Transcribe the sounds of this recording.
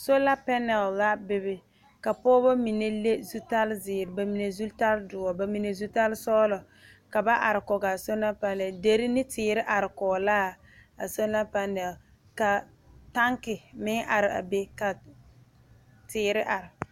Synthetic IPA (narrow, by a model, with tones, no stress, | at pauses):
so˦la˦pɛ˦nɛ˨lːa˦bɪ˨bɪ˨ | ka˨pɔː˦bɔ˦mi˨ne˦le˦zu˦ta˦lzɪː˨ɾɪ˨ba˨mi˨ne˨zu˦ta˦ldʊ˨ɔ˨ba˨mi˨ne˨zu˦ta˦lsɔː˦lɔ˨ | ka˨ba˦ʔa˨ɾɪ˨kɔ˨ɡa˨so˦na˦pa˦lɛ˨de˦ɾɪ˦nɪ˦tɪː˨ɾɪ˦ʔa˨ɾɪ˨kɔː˨laː˦˨ | a˨so˦na˦pa˦nɛ˨l | ka˨ | ta˦ŋkɪ˨mɪ˦ŋʔa˨ɾɪ˨a̰˨be˦ka˨ | tɪː˨ɾɪ˦ʔa˨ɾɪ˨